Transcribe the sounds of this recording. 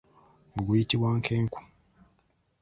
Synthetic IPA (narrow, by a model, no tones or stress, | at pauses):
oɡujitiβwaːŋkʰeːŋku̥